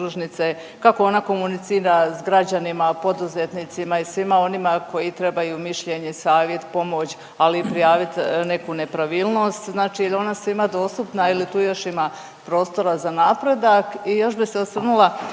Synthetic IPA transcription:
uʒnit̪se | kako̞o̞nako̞munit̪siːɾasɡɾad͡ʑanimapo̞d̪uze̞t̪nit̪simaisʋimao̞nimako̞jit̪ɾe̞bajumiʃʎe̞ɲeisaːʋje̞t̪po̞mo̞t͡ɕ | alipɾijaːʋit̪ne̞kune̞pɾaʋiːlˠno̞st̪znaːt͡ʃio̞nasʋimad̪o̞ːst̪upnailit̪uːjo̞ʃima | pɾo̞ːst̪o̞ɾazanapɾe̞d̪akijo̞ʃbiseosr̩nulˠa

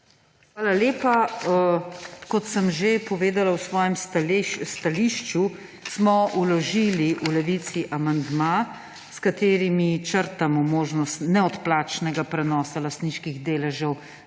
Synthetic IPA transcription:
xʋaːlaleːpa | kɔt̪səmʒepɔʋeːd̪alawsʋɔːjɛmsst̪aliʃt͡ʃu | smɔulɔʒiliʔulɛʋit̪siʔamand̪ma | skat̪eːɾimit͡ʃəɾt̪amɔmoːʒnɔst̪nɛɔt̪plaːt͡ʃnɛɡapɾɛnɔːsalast̪niːʃkiɣd̪eːlɛʒɛw

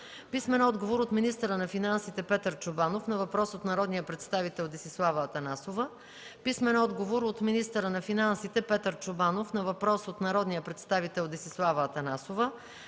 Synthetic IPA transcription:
pismɛnɔd̪ɡovoɾot̪minist̪əɾənɐfinansit̪ɛpɛt̪əɾt͡ʃʊbanofnɐvɐpɾɔsot̪nɐɾɔd̪nijəpɾɛt̪st̪avit̪ɛlˠd̪ɛsislˠavəːt̪ɐnasovə | pismɛnɔd̪ɡovoɾot̪minist̪əɾənɐfinansit̪ɛpɛt̪əɾt͡ʃʊbanofnɐvɐpɾɔsot̪nɐɾɔd̪nijəpɾɛt̪st̪avit̪ɛlˠd̪ɛsislˠavəːt̪ɐnasovə

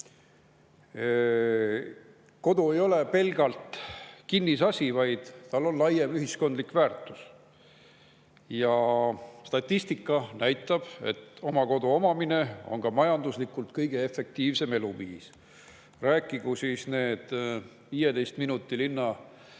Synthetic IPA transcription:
ko̞d̪ue̞jo̞le̞pe̞lɡ̥ɑlt̪kinːisɑsʲivɑjd̪̥t̪ɑlːo̞nlɑjemyɦisko̞nd̪likvæːrt̪ːˑus | jɑst̪ɑt̪ʲˑːist̪ikːˑɑnæjt̪ːˑɑb̥e̞̰t̪ːo̞mɑko̞d̪uo̞mɑmine̞o̞̰nkɑmɑjɑnd̪uslikːˑult̪kɤjɡ̥e̞e̞fːe̞k̚t̪iːvse̞me̞luviːs | ræːkːˑiɡ̥usiːsne̞ːd̪̥ | viːjed̪e̞jst̪minut̪ːˑilinːɑ

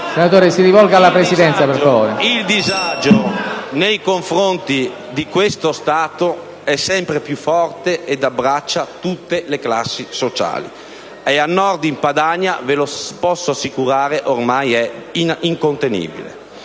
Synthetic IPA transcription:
senat̪oːɾesiɾivɔlɡalːapɾesid̪ɛnt̪sapeɾfavoːɾeild̪izad͡ʒonejkoɱfɾont̪i | d̪ikwest̪ost̪aːt̪o | ɛsːɛmpɾepjufːɔrt̪eed̪abːɾat͡ʃːat̪ut̪ːelekla̰sːisot͡ʃa̰ːlḭ | eanːɔrd̪impad̪aɲːavelopɔsːoasːikuɾaːɾeʔormajɛiniŋkont̪enḭːbḭlḛ

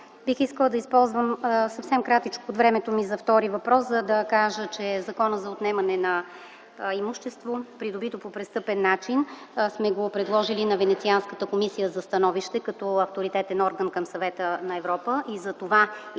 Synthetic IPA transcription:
bixiskəlˠəd̪ɐispɔlˠzvəmsɐfsɛmkɾat̪it͡ʃkood̪vɾɛmɛt̪omizɐft̪ɔɾivɐpɾɔszəd̪ɐkaʒət͡ʃɛzɐkɔnəzɐot̪nɛmɐnɛnɐ | imuʃt̪ɛst̪vopɾid̪obit̪opopɾɛst̪ɤpɛnːat͡ʃin | smɛɡopɾɛd̪lˠɔʒilinɐvɛnɛt̪sianskət̪əkomisijəzɐst̪ɐnɔviʃt̪ɛkɐt̪ɔɐft̪oɾit̪ɛt̪ɛnɔɾɡənkəmsɐvɛt̪ənɐɛvɾɔpəʔizɐt̪ova

